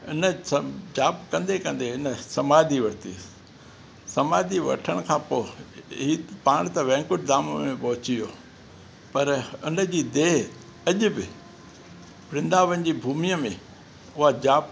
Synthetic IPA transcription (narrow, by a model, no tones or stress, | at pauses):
ɪ̰nə̆sɐd͡ʑaːpkɐ̃nd̪ekɐ̃nd̪eɪnə̆sɐmaːd̪ʱiʋɐɾt̪ḭ | sɐmaːd̪ʱiʋɐ̰ʈʰəɽ̃kʰãːpoːɦiːpaːɽ̃t̪ɐʋɛ̃ːŋkʊʈd̪aːmmẽpɐɦʊt͡ɕijoː | pɐɾʊnə̆d͡ʑiːd̪eːɦ | ɐʄʊbɪ | pɾɪ̃nd̪aːʋənɪ̆d͡ʑiːbʱuːmijəmẽ | ʊɦad͡ʑaːb